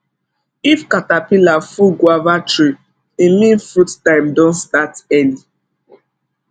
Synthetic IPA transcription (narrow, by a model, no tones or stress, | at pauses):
ifkatapĩlafuɡwavatɹi | imĩnfuttãɪ̃mdɔ̃nstatɛli